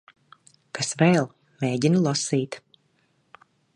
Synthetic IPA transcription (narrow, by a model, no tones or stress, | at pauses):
kasvɛːlˠ | meːɟinulˠɔsiːt̪